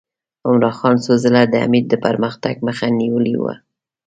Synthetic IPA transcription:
ʊmɾɑxɑnsozəlad̪əa̰mid̪əpaɾməxt̪aɡ̚məxaniwəliwa̰

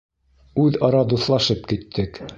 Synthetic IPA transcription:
ʉðɑɾɑd̪uθlˠɑʃɤp̚kit̪ʰːɘk

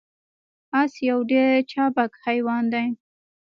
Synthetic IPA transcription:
asjawɖeɾt͡ʃɑbakhajwɑnd̪aj

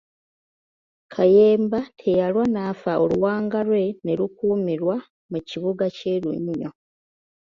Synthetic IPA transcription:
kʰaje̞ːmbatʰe̞jalwanaːfaoluwaːŋɡalwe̞ne̞lukuːmiɾwa | muciβuɡace̞ːlṵɲo̞

